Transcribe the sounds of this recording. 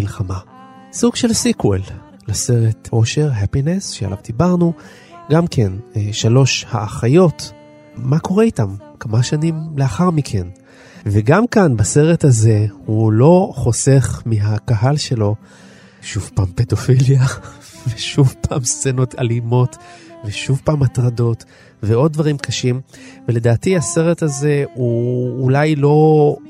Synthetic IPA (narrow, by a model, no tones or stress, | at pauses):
ilχama | suɡ̥ʃe̞lsikwel | lase̞ʁetʔo̞ʃe̞ʁɦapinesʃea̰la̰vd̪ibaʁnu | ɡamkʰenʃalo̞ʃha̰ːχajo̞t | mako̞ʁeitamkamaʃanimleaχaʁmikʰe̞n | veɡamkanbase̞ʁethaze̞hulo̞χo̞se̞χmiɦakaɦalʃe̞lo̞ | ʃuvpaːmpedo̞filja | veʃuvpaːmst͡seno̞ta̰limo̞tveʃuvpaːmat̪ʁado̞t | veo̞d̚dvaʁimkaʃimvele̞daːtihase̞ʁe̞thaze̞uːlajlo̞